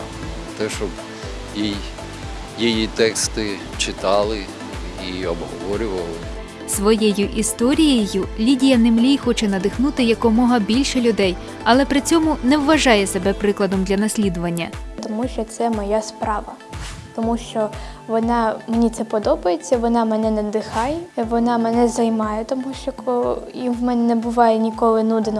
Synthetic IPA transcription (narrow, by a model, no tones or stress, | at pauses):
ɐt̪ɛʃɔb | jij | jijit̪ɛkst̪ɪ | t͡ʃɪt̪ɑlˠɪ | iɔbɦɔʋɔɾʲʊʋɐlˠɪ | sʋɔjɛjʊʔist̪ɔɾʲijejʊlʲidʲijɐnɪmlʲijxɔt͡ʃɛnɐd̪ɪxnut̪ɪjɐkɔmɔɦɐbʲilʲʃɛlʲʊd̪ɛj | ɐlˠɛpɾɪt͡sʲɔmʊnɛwːɐʒɑjɛsebɛpɾɪklˠɐd̪ɔmd̪lʲɐnɐsʲlʲid̪ʊʋɐnʲːɐt̪ɔmuʃt͡ʃɔt̪sɛmɔjaspɾɑʋɐ | t̪ɔmuʃt͡ʃɔʋɔnɑmenʲit̪sɛpɔd̪ɔbɐjet͡sʲːɐʋɔnɑmɛnɛnɛd̪ɪxɑjɛʋɔnɑmɛnɛzɐjmɑjɛt̪ɔmuʃt͡ʃɔkɔjiwmɛnɛnɛbʊʋɑjɛnʲikɔlˠɪnud̪ɪnɔ